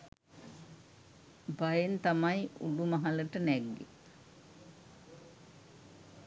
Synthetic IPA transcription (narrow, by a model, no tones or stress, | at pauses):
bajent̪amajṵɖumaɦaləʈənɛɡːḛ